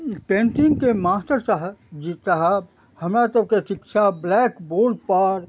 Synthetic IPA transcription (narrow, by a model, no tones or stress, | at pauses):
pẽːnʈɪ̃ŋɡkemaːst̪əɾsəɦd͡ʒisaɦə | hɐmɾat̪əb̚kesɪkʃablɛːkboːlpaːɾ